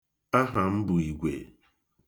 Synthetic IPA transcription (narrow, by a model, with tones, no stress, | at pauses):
a˦ɦa˨m̩˦bʊ˨i˨ɡʷḛ˨